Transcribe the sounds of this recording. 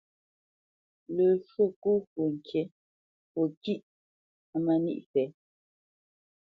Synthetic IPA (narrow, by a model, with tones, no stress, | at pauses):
lə˨ʃwo˦˨ku˦kwu˨ŋ̩˨kʰje˨˦ | po˨ki˦ʔ | a˦ma˨nḭ˦ʔfɛ˨˦